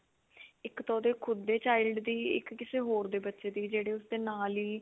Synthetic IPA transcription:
ɪkt̪ɔːd̪eːkʰʊd̪ːeːt͡ʃaːɪlɖd̪iːɪ̰kːɪseːɦoːɾd̪eːbətːʃeːd̪iːd͡ʒeːɽeːʊsd̪eːnaːliː

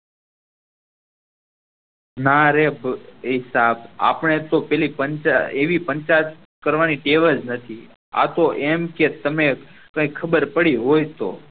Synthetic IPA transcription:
naɾebɦɪsaba̰pəɳ̃et̪opɛlipənt͡ʃaeʋipənt͡ʃat̪ | kəɾʋaniʈeʋəd͡ʒnət̪ʰi | a̰t̪oʔemket̪əmekə̃ikʰəbəɾpəɽiɦojt̪o̰

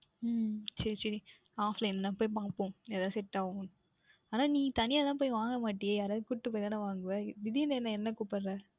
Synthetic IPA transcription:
sɐɾisɐɾi | aːflɐɪnːɐlãːpoːjp̬aŋɡɐpːõːeːɾðãːsɛʈːaːʋʊ̃ | aːnaːniːt̪ɐnɪjaːt̪ãːp̬oːjʋaːŋɡɐmaːʈːɪjejaːɾaːðɯkʊʈːɯpoːjt̪aːnaʋaːŋɡɯʋɐʋɪðinɐɛnːɐɛnːɐkuːʈpːɐɾɾɛː

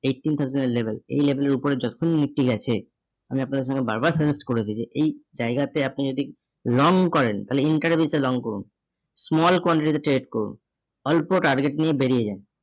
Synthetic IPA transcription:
ejʈːint̪ʰawzeneɾlebʱelḛjlebʱeleɾupoɾed͡ʑɔt̪o̥kʰonnik̚ʈiɡɛt͡ɕʰe | amiapnad̪eɾʃɔŋɡeba̰ɾbaɾsed͡ʑisʈkoɾet͡ɕʰid͡ʑeʔejd͡ʑaeɡat̪eapnid͡ʑod̪ʱi | lɔŋkɔɾent̪aɦleiɳʈaɾbʱiselɔŋkoɾṵn | smɔlkwɔɳʈiʈit̪eʈɾeʈkoɾṵn | ɔlpoʈaɾɡeʈnijebeɾied͡ʑan

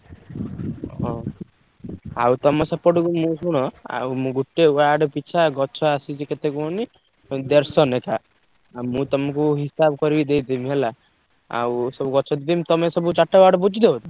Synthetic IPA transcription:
ɔ̃ | a̰wt̪ɔmɔsapːɔɽukumũsuɽ̃ɔa̰mũɡuʈːeuaɖpit͡ʃʰaɡɔt͡ʃʰɔasit͡ʃiket̪ekuɔni | d̪eɾsɔneka | amũt̪ɔmɔ̃kuɦisab̚kɔɾibid̪ejd̪imɦela | a̰wsɔbuɡɔt͡ʃʰɔd̪it̪imt̪ɔmesɔbut͡ʃaʈːawaɖbud͡ʒid̪et̪ɔ

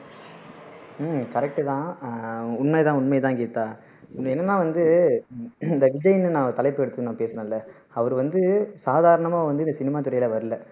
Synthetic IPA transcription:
kɐɾɛk̚ʈɯt̪ãː | ʊɳmɐjt̪ãːʊɳmɐjt̪ãːkeːt̪ːaː | ɛnːɐnːaːʋɐnd̪ɯ | ɪnd̪ɐʋɪd͡ʒɐjɪnɯnãːt̪ɐlɐɪpːɛɽɯt̪ːɯɯnãːpeːsɐnɐ̃lːɐ | ɐʋɐɾɯʋɐnd̪ɯsaːðaːɾɐɳɐmãːʋɐnd̪ɯɪndɐsɪnɪmaːt̪ʊɾɐjɪlɐʋɐɾɯlɐ

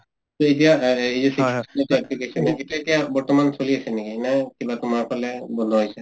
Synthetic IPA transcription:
t̪oitijaejzɛsisɛtɛplikesɔnɛetiaetijabɔɹtɔmansoliasɛnekinakibatʊmaɹpʰɔlɛbɔnd̪ʱɔɦojsɛ

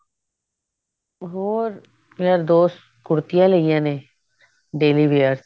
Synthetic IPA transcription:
ɦoːɾ | meːaɾd̪oːs | kʊɽt̪ɪjãːləijãːneː | ɖeːliːʋeːəɾs

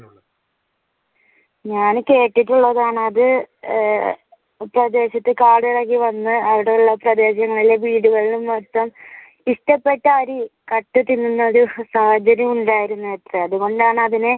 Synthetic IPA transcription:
ɲaːnke̞ːʈːiʈːuɭːɐðaːɳɐðɨ | prɐd̪e̞ːɕɐt̪ːɨkaːɽiɽɐɣːiʋɐnːɨɐʋiɽeuɭːɐprɐd̪e̞ːɕɐŋːɐɭileʋiːɽuɣɐɭilumʋɐrt̪ːɐm | iʂʈɐpːe̞ʈːɐɐɾikɐʈːɨt̪ːinːunːɐoɾusaːhɐd͡ʑɐɾjɐmuɳɖaːjiɾunːuet̪rɨɐðuɣo̞ɳɖaːɳɨɐðinɨ

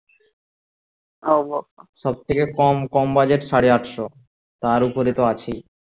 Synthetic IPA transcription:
oboʃɔb̚t̪ʰekekɔmkɔmbad͡ʑeʈʃaɽeaʈʃo | t̪aɾupoɾit̪oat͡ɕʰi

